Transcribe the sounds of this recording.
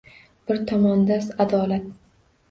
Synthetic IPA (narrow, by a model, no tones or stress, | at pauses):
b̥ɪɾt̪ʰɒmɒnd̪asad̪ɒlat̪̚